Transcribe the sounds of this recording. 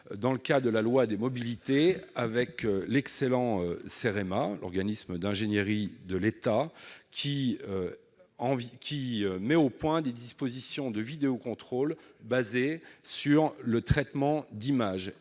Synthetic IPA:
d̪ɑ̃ləkad̪əlalwad̪emɔbilit̪eavɛklɛkselɑ̃øseʁemalɔ̰ʁɡanisməd̪ɛ̃ʒenjəʁid̪əlet̪akʲʰiø | ɑ̃vkʲiømɛopwɛ̃d̪ed̪ispozisjɔ̃d̪əvid̪eokɔ̃t̪χolbazesyʁlət̪χɛt̪mɑ̃d̪imaʒ

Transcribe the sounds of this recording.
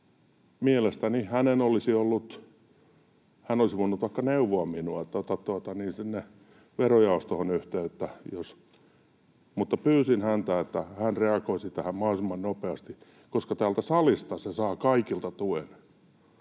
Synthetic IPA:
mielest̪ænihænenolisiolːut̪ | hænolisiʋonːut̪ʋɑikːɑneuʋoɑminuɑet̪ːæt̪ɑt̪uɑt̪ɑniːnsinːe | ʋerojɑost̪ohonyht̪eːet̪ːæjos | mut̪ːɑpyːsinhænt̪æet̪ːæhænreɑkoisit̪æhæmmɑhlsimːɑnnopeɑst̪i | koskɑt̪æːlt̪æsɑlist̪ɑsesɑːkɑikilt̪ɑt̪uen

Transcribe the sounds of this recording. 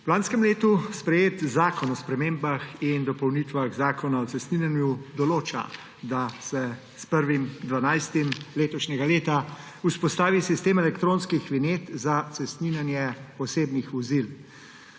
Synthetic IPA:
laːnskɛmleːt̪uspɾɛjeːt̪zaːkɔnɔspɾɛmeːmbaxind̪ɔpɔwnit̪ʋaɣzaːkɔnaɔt̪sɛst̪ninanjud̪ɔloːt͡ʃa̰ | d̪asɛ | spəɾʋimd̪ʋanajst̪imleːt̪ɔʃnʲɛɡaleːt̪a | uspɔst̪aːʋisist̪eːmɛlɛkt̪ɾõːnskixʋineːt̪zat̪sɛst̪ninanjɛɔseːbnixʋɔzil

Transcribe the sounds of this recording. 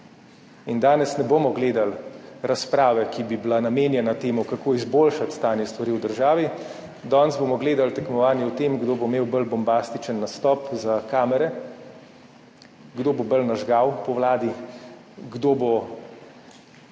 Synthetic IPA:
ind̪aːnɛsnɛboːmɔɡleːd̪alɾaspɾaːʋɛkibibilanameːnjɛnat̪eːmɔkakoːizboːlʃat̪st̪aːnjɛst̪ʋaɾiːwd̪əɾʒaːʋi | d̪ɔːnzbomɔɡleːd̪alt̪ɛkmɔʋaːnjɛwt̪eːmɡd̪oːbomeːwbəlbɔmbast̪it͡ʃənːast̪ɔːpzakaːmɛɾɛ | ɡd̪oːbobəlnaʒɡawpɔʋlaːd̪i | ɡd̪oːbo

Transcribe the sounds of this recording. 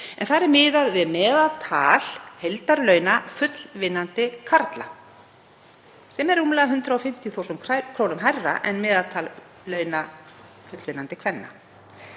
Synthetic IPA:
ɛ̰nθaɾɛɾmɪːðaɾvɪðmɛːðalt̪ʰa̰ːl̥hejlt̪aɾlœːɥnafʏt̪l̥vɪnːant̪ɪkʰaɾt̪la | sɛmɛɾuːmlaɣaɦʏnt̪ɾaɔfɪm̥t̪ʰjɔθowsʏmʰkʰɾownʏmɦarːa̰ʔɛnmɛːðat̪ʰaːl | lœɥna | fʏt̪lvɪnːant̪ɪkʰvɛnːa̰

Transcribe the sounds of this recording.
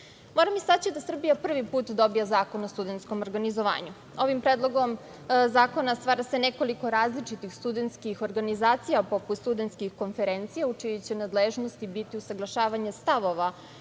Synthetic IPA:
moːɾamisat͡ɕid̪asr̩bijapr̩ʋipuːt̪d̪o̞bijazaːko̞nost̪ud̪e̞nt̪sko̞moɾɡanizo̞ʋa̰ːɲu | o̞ʋimpɾeːd̪lˠo̞ɡo̞m | zaːko̞nast̪ʋaːɾase̞neko̞liko̞ɾaːzlit͡ʂit̪ixst̪ud̪ent̪skixo̞ɾɡanizaːt̪sijapo̞put̪st̪ud̪ent̪skixko̞nfeɾent̪sijaut͡ʂijut͡ɕenad̪leʒno̞st̪ibit̪iusaɡlˠaʃaːʋaɲest̪aʋo̞ʋa

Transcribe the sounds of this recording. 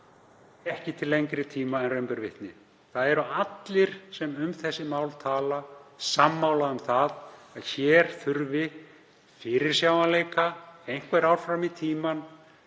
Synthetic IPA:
ɛhcɪt̪ʰɪlːejŋkɾɪt̪ʰiːmaɛnrœjmpʏɾvɪ̰ht̪nɪ | θaðɛɾʏat̪lɪɾ̥sɛmʏmθɛsːɪmaːwlt̪ʰaːlasamːawlaʏmθaðaðçɛɾ̥θʏɾvɪ | fɪɾɪɾ̥sjaːwvanleːjkaejŋ̥kvɛɾawɾ̥fɾamit̪ʰiːman

